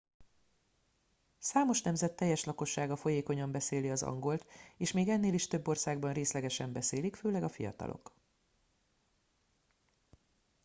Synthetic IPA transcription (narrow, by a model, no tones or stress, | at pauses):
saːmo̞ʃnɛmzɛt̪ːɛjːɛʃlɒko̞ʃːaːɡɒfo̞jeːko̞ɲɒmbɛseːliɒzɒ̰ŋɡo̞lt̪eːʃmeːɡɛnːeːliʃt̪ø̞bːo̞rsaːɡ̚bɒnreːslɛɡɛʃɛmbɛseːlikføːlɛɡɒfijɒ̰t̪ɒ̰lo̰k